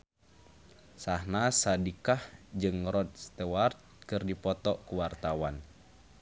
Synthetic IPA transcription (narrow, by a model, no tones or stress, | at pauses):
sahnasadikahd͡ʒɨŋɾɔt̪̚st̪ɛwart̪̚kɨrdipɔt̪ɔʔkuwart̪awan